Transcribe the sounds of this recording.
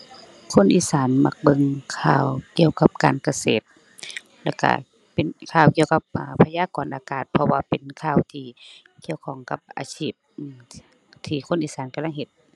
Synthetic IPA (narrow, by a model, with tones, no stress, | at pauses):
kʰo˧˥˨nʔiː˧˨saː˨˦nma˧˩k̚bɤ˧ŋkʰaː˧˩wki˧˩əwka˧p̚kaː˨nka˧seː˨˩t̪̚ | lɛ̰˧˩ka̰˧˩ | pe˨nkʰaː˧˩wki˧˨əwka˧˦p̚ʔaː˧˩pʰa˧jaː˧˥˨kɔː˨˦nʔaː˨˧kaː˨˩t̪̚pʰɔ˧waː˧pe˨nkʰaː˧˩˨wt̪ʰiː˧ | kʰi˧˨əwkʰɔː˧˩˦ŋka˧˦p̚ʔa̰ː˨˧sʰiː˧˩p̚ʔː | t̪ʰiː˧˩kʰo˧˥˨nʔiː˧˥saː˨˦nka˧mla˥˨ŋɦe˧˦t̪̚